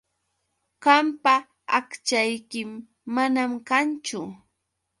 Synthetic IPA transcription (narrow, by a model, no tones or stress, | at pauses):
ɢampa | akt͡ʃajkɪmː | anamkant͡ʃʊ